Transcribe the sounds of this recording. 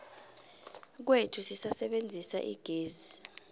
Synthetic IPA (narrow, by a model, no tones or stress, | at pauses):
k̬wetʰusisasɛɓend͡zʱisa̰ʔḭɡ̥ʱeːzi